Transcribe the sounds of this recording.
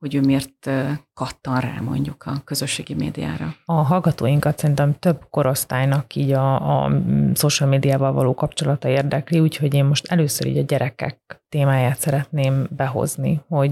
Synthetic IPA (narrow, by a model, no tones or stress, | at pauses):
ho̞ɟøːmeːrt̪ːkɒt̪ːɒnra̰ːmo̞̰ɲɟukʰɒkøzøʃːeːɡimḛːd̪ija̰ːɾɒɒɦɒlɡɒt̪oːjiŋkɒt̪sɛɾint̪ɛmt̪ø̞bko̞ɾo̞st̪aːjnɒkiːɟɒ̰ | soːʃalmeːd̪ijaːvɒlvɒ̰loːkɒpt͡ʃo̞lɒt̪ɒeːrd̪ɛkliuːcho̞ɟeːmmo̞ʃt̪ɛløːsøɾḭːɟɒɟɛɾʔɛkɛ̰k̚t̪eːmaːjaːt̪sɛɾɛt̪neːmbɛɦo̞̰znḭho̞ɟ